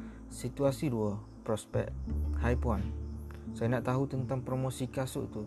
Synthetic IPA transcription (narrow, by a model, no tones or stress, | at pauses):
sit̪uasiɾuɔ | pɾɔspɛ̰k̚t̪̚hajpuansainaʔt̪aɦut̪ənt̪aŋpɾomosikasṵʔt̪u